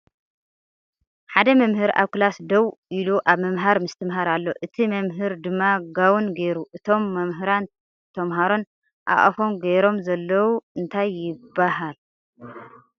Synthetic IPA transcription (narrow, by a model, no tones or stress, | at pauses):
ħad̪ɐmɐmhɨɾa̰βkɨlasd̪ɐwiluʔaβmɐmɦaɾmɨst̪ʰɨmɦaɾalːo̞ʔɨt̪ʰimɐmɦɨɾd̪ɨmːaɡawunɡeɾuʔɨt̪ʰo̞mːɐmɦɨɾan | t̪ʰɐmɦaɾon | ʔa̰ʔʼɐ̰fo̞mɡeɾo̞mzɐlːɐwuɨnt̪ʰajːɪbːaɦal